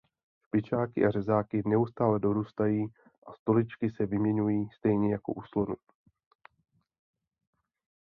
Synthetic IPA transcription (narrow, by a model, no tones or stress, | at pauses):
ʃpɪt͡ʃaːkɪ̰ʔarɛzaːkɪnɛust̪aːlɛdo̞ɾuːst̪ajiː | ʔast̪o̞lɪt͡ʃkɪsɛvɪmɲɛɲujiːst̪ɛjɲɛjako̞̰ʔuslo̞nu